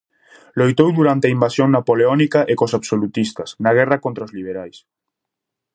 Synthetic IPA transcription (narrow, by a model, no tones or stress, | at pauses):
lojt̪owðuɾant̪eaimbasjoŋnapoleonikaʔekosaβsolut̪ist̪ɐsnaɣ̞ɛrakont̪ɾaozliβ̞eɾajs